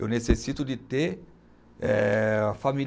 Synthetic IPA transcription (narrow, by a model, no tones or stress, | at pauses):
onesesit̪ud̪it̪e | ɛafami